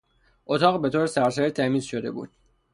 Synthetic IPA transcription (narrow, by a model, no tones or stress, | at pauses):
ʔot̪ʰɒːɣbe̞t̪ʰoːɾesæɾsæɾit̪ʰæmiːzʃo̞d̪e̞̰bṵːd̪̥̚